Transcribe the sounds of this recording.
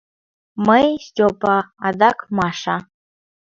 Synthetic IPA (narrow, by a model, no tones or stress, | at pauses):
mɐjstʲopʼaːd̪akʰʼmaʂa